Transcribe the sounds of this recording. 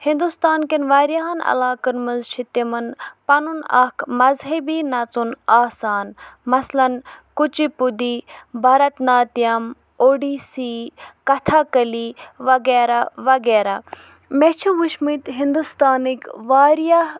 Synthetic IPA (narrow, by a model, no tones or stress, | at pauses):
hind̪ust̪aːnkinʋaːɾjaɦɐnɐ̰laːkənmɐnzt͡ʃʰit̪imɐnpɐnunɐ̰kʰmɐzɦɐbinɐt͡sunaːsaːnmɐslɐnkut͡ʃipud̪ibʱɐɾɐt̪naːt̪ijam | oːɖiːsiːkɐt̪ʰaːkɐliʋɐɡeːɾaʋɐɡeːɾa | met͡ʃʰiʋuʃmɨt̪ɦind̪ust̪aːnikʋaːɾjaɦ